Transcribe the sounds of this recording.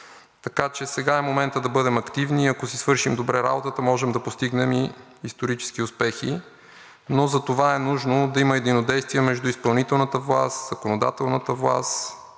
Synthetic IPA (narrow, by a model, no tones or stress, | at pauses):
t̪ɐkat͡ʃɛsɛɡaɛmomɛnt̪əd̪ɐbɤd̪ɛmɐkt̪ivniɐkosisvɤɾʃimd̪obɾɛɾa̰bot̪ət̪əmɔʒɛmd̪ɐpost̪iɡnɛmiː | st̪oɾit͡ʃɛ̥sk̟iʊspɛxḭ | nozɐt̪ovaɛnuʒnod̪ɐiməɛd̪inod̪ɛjst̪viɛmɛʒd̪uispɐlˠnit̪ɛlˠnət̪əvlˠa̰st̪z̥ɐkonod̪a̰t̪ɛlˠnət̪əvlˠa̰s